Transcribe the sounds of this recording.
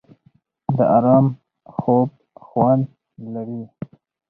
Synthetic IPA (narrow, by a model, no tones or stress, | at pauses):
d̪əʔaɾɑːm | xob̚ | xwan | laɽi